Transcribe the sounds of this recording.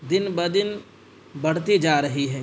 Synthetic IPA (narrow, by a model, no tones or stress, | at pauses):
d̪ɪnbɐd̪ɪn | bɐɽ̤t̪id͡ʒaːɾɐɦiɦɛː